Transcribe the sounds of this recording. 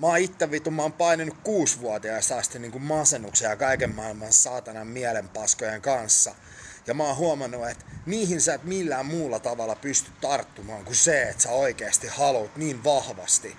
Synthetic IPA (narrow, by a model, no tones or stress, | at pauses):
mɑit̪ːeʋːit̪umːɑompɑinenːukkuːsʋuɑt̪iɑst̪ɑst̪iniːŋkummɑsenːukseɑkɑikemːɑilmɑnsɑːt̪ɑnɑmmiælempɑskojeŋkɑnsːɑ | jɑmɑːhuomɑnːuet̪miːhinsæːt̪milːæːmmuːlːɑt̪ɑʋɑlːɑpyst̪yt̪t̪ɑrt̪ːumɑːŋkuseet̪sæoikeɑst̪ihɑlut̪niːnʋɑhʋɑ̰st̪i